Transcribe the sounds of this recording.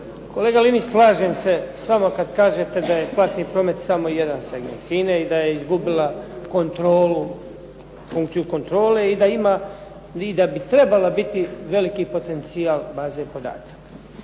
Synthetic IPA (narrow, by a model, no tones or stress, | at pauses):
ko̞leːɡalinislˠaːʒeːmse̞sʋamokad̪kaːʒet̪e̞d̪aje̞plˠat̪niːpɾo̞ːme̞t̪samo̞jed̪naseɡmenfineid̪ajeizɡubilako̞nt̪ɾo̞ːlu | fuŋkt̪sijuko̞nt̪ɾo̞ːle̞id̪aimaː | id̪abit̪ɾe̞balabit̪iʋe̞likipo̞t̪e̞nt̪siaːlbaːze̞po̞d̪a̰ːt̪ḁkḁ